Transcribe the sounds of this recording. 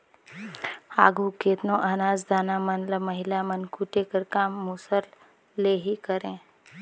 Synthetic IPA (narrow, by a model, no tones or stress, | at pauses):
aːɡʱukeːt̪nõʔɐnaːd͡ʒd̪ʱaːnamənləmɐɦɪlamənkuʈekəɾkaːmːusəlː | eːɦikəɾẽː